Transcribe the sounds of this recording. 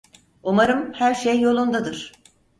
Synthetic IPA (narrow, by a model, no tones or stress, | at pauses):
umaɾɯmhæɾʃejːo̞lˠund̪ad̪ɯɾ̥